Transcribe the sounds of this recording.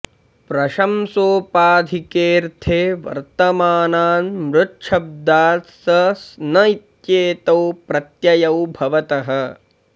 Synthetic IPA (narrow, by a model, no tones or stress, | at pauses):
pɾɐʃɐmsoːpaːd̪ʱikeːɾt̪ʰeːʋɐ̰ɾt̪ɐmaːnaːnmɾʊtʃʰɐb̚d̪aːsɐsnɐit̪jeːt̪ɐwpɾɐt̪jɐjɐwbʱɐʋɐt̪ɐɦɐ̆